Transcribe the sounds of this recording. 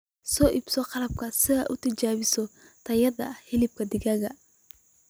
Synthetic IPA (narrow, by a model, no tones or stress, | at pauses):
sɔːʔɪb̥sɔqɑlɐb̚kʰɐsɪɐ̰ʔʊt̪ʰɐt͡ʃaːβɪsɔ | t̪ʰɐjɐd̪ɐhɪlɪb̚kʰɐd̪ɪɣɐɣɐ